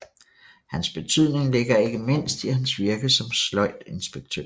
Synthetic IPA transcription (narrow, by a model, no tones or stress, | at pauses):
hænsb̥e̝t͡sʰyð̞̰ˠne̝ŋle̝ɡ̥ɐe̝ɡ̥əme̝n̰sd̥ihænsʋiɐɡ̥əsɒ̽mslɒ̽ɪ̰d̥e̝nsb̥eɡ̥̚t͡sʰø̰ɐ